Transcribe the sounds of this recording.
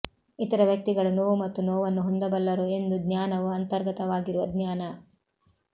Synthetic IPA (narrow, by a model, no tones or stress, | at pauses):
it̪ɐɾɐʋjɐk̚t̪iɡɐɭɐnoːʋumɐt̪ːunoːʋɐnːuɦond̪ɐbɐlːɐɾue̞nd̪ud̪njaːnɐʋuɐnt̪ɐɾɡɐt̪ɐʋaːɡiɾuʋɐd̪ɲjaːnɐ